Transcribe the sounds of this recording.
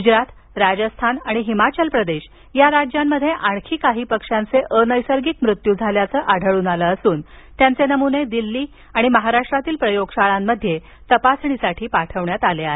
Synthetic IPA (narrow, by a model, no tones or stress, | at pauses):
ɡud͡ʑɾat̪ | ɾad͡ʑəst̪ʰanaɽ̃iɦimat͡ɕəlpɾəd̪eɕ | jaɾad͡ʑjamːəd̪ʱːjeʔaɽkʰiːkaɦiːpəkʂant͡seʔənəjsəɾɡikmɾut̪juːd͡zʱaljat͡səːʔaɖʱəɭuːnaləːsuːnt̪jant͡senəmuned̪ilːiː | aɽ̃iməɦaɾaʂʈɾat̪iːlpɾəjoɡɕaɭamːəd̪ʱje | t̪əpasɳ̃isaʈʰiːpaʈʰəʋɳjat̪aleae